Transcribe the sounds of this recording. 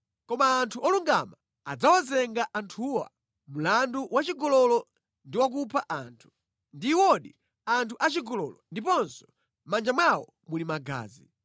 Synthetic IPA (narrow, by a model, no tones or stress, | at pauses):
kɔmaːntʰuʔɔluŋɡama | ad͡zawazɛŋɡaʔantʰuwa̰ | mulanduwat͡ʃiɡɔlɔlɔ | ndiwak̬upʰaʔantʰu̥ | ndiwɔɗi | antʰuʔat͡ʃiɡɔlɔlɔndip̬ɔnsɔ̥ | mand͡ʒamwawɔ̰ | mulimaɡa̰ːzi